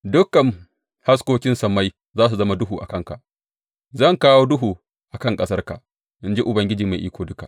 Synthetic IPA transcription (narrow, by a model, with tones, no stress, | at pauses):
dʊ˦kːɐ˨ŋ | ha˦s̬kʷoː˦kʲɪ˦nsɐ˨ma˦j | zaː˦s̬u˨zɐ˦ma˦dʊ˦ɦuː˨ʔa̰˨kɐ˦ŋka̰˨ʔ | zɐ˦˨ŋkaː˦woː˦dʊ˦ɦuː˨ | ʔa˨kɐ˦˨ŋkʼɐ˦sɐ˦rka̰˨ʔ | ʔɪ˦nd͡ʒi˦ʔʊ˨bɐ˨ŋɡʲɪ˦d͡ʒiː˨ma˨ʔiː˦kʷoː˨dʊ˦ka˨ʔ